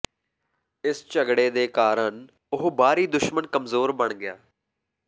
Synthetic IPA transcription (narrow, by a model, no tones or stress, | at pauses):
ɪst͡ʃəɡɽeːd̪eːkaːɾəɳ | ʊɦbaːɾiːd̪ʊʃmənkəmzoːɾbəɳɡɪja̰ː